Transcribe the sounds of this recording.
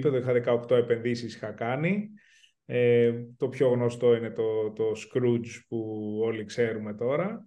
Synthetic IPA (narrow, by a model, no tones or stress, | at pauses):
peðoixɐðekɐokt̪o̞e̞pe̞nðisisi̥xɐkɐni | et̪o̞pço̞ɣno̞st̪o̞ine̞t̪o̞t̪oskɾud͡zpuo̞likse̞ɾume̞t̪o̞ɾɐ